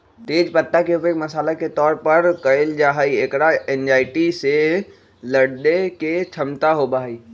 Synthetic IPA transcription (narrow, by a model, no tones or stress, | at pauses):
t̪eːd͡ʒpət̪ːakeʊpekməsaːlaket̪ɔːɾpəɾkɐeld͡ʒaːɦəiekɽaend͡ʒaːɪʈise | ləɽɖeket͡ʃʰəmt̪aɦobaɦiː